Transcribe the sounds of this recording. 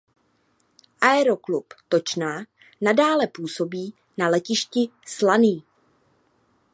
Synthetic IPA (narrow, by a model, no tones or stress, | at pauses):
ʔaɛɾoklupt̪o̞t͡ʃnaː | nadaːlɛpuːso̞biː | nalɛcɪʃcɪslaniː